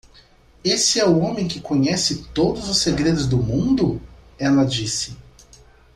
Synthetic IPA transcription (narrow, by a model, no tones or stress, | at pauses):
esɪɛʊõmẽj̃kɪkõɲɛsɪt̪od̪ʊzʊseɡɾed̪ʊzd̪ʊmũnd̪ʊɛlɐd͡ʒisɪ̥